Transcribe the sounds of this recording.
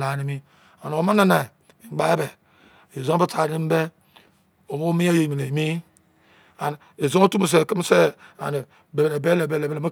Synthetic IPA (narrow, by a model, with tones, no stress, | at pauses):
la˨ni˦mi˦ | a˨no˨o˨ma˦na˦na˨ | ɡ͡ba˦e˦be˨ | e˨zo˦bi˦tʰa˨˦i˦m̩˦be˦ | o˨mo˦mi˦ja˦je˨mi˨e˨mi˦ | a˨n˨e˨zo˦o˦tu˦m˨s̬e˨ki˦m˦se˦a̰˨ni˨ | be˨bne˨be˦le˨be˦le˨ble˨ma˦